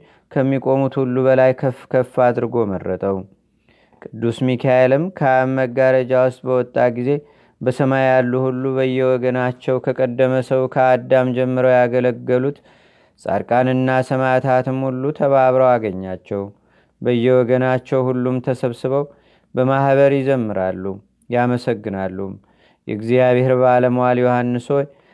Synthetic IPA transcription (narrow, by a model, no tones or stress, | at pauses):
kʰəmːikʼo̞mut̪hulːuβəlajkʰəfkʰəfːad̪ɨɾɡo̞mərːət̪ʼəw | kʼɨd̪ːusmikʰaelɨmkʰaməɡːaɾəd͡ʒawʊst̪ʼbəwɔt̪ʼːaɡize̞ | bəsəmajalːuhulːubəjːɛwɔɡənat͡ʃːɛwkʰəkʼəd̪ːəməsəwkʰəad̪ːamd͡ʒɛmːɨɾəwjaɡələɡːəlut̪ | sʼa̰ɾkʼanɨnːasəmat̪ʰat̪ɨmhulːut̪ʰəβaβɾəwaɡəɲːat͡ʃːɛw | bəjːɛwɔɡənat͡ʃːɛwhulːumt̪ʰəsəβsɨβəw | bəmahβəɾjɪzəmːɨɾalːu | jaməsəɡːɨnalːum | jɛ̰ɡzijaβɪhɾbaləmowaljohanːɨso̞j